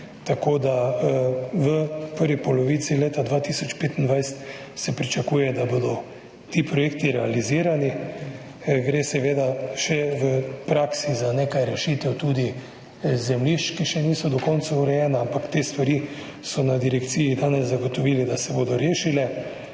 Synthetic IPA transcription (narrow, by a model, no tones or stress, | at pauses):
t̪akod̪a | ʋəpəɾʋipɔlɔʋiːt̪sileːt̪ad̪ʋaːt̪isɔt͡ʃpeːt̪ənd̪ʋajst̪ | sɛpɾit͡ʃakuːjɛd̪abod̪ɔ | t̪iːpɾɔjeːkt̪iɾɛaliziːɾani | ɡɾeːsɛʋeːd̪aʃɛʋəpɾaːksizaneːkajɾɛʃiːt̪ɛwt̪uːd̪i | zɛmliʃt͡ʃkiʃɛniːsɔd̪ɔkɔnt̪sauɾɛjɛːnaampakt̪eːst̪ʋaɾi | sɔnad̪iɾɛkt̪siːjid̪aːnɛzzaɡot̪ɔʋiːlid̪asɛbod̪ɔɾeːʃilɛ